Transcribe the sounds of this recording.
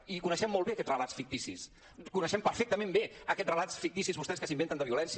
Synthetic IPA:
ikunəʃɛmːɔlˠβeəkɛtrəlatsfik̚t̪isḭs | kunəʃɛmpəɾfɛk̚t̪əmẽmbeəkɛtrəlasfik̚t̪isizβust̪ɛskəsimbent̪ənd̪əβiulɛns

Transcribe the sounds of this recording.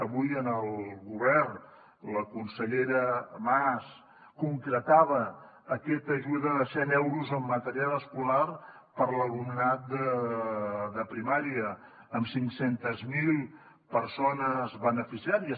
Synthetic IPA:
əβujənəlˠɣuβɛrn | ləkunsəʎeɾəmas | kuŋkɾət̪aβ̞əː | kɛt̪əʒuðəðəsɛnɛwɾuzəmːət̪əɾialəskular | pəɾləlumnat̪̚d̪ə | ðəpɾimaɾiəː | msiŋksent̪əzmilˠ | pəɾsonəzβənəfisiaɾiə

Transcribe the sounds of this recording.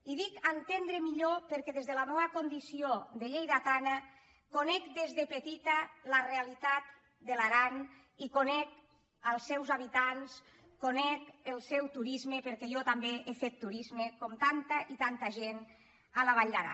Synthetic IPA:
iðikant̪end̪ɾemiʎopəɾkɛðezðəlamɔβakond̪isiod̪əʎejðat̪ana | konɛkd̪ezðepət̪it̪alarealit̪at̪ | d̪əlaɾan | ikonɛk | alˠsːɛwzaβit̪ans | konɛkəlˠsɛwt̪uɾizmepəɾkɛjɔt̪ambeʔefet̪ːuɾizmekɔmt̪ant̪aʔit̪ant̪aʒen | alaβ̞aʎaɾa̰

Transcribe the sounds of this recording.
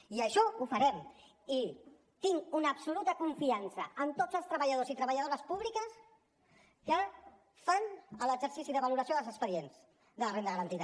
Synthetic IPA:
iəʃɔufəɾɛm | i | t̪iŋunəːbsulut̪əkuɱfiansəːmt̪od͡zəlˠst̪ɾəβəʎað̞ozit̪ɾəβəʎað̞oɾəspuβ̞likəs | kə | fanələɡzəɾsisiðəβəluɾəsioðlzəkspəðienz | ðələrenəɣəɾənt̪ið

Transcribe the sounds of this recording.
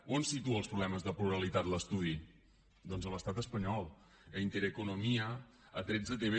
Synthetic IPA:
onsit̪uəlˠspɾuβlɛməzðəpluɾəlit̪at̪ləst̪uð̞i | d̪ɔnzələst̪at̪əspəɲɔlˠ | əint̪eɾəkunumiə | ət̪ɾɛd͡zət̪eβe

